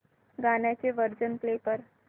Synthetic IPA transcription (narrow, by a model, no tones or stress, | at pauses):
ɡaɳjat͡seʋəɾd͡zənplepəɾ